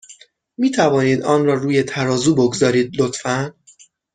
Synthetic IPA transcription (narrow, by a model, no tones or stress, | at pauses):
miːt̪ʰævɒːniːd̪ɒːnɾɒːɾuːje̞t̪ʰæɾɒːzuːboɡzɒːɾiːd̪̚lot̪fæn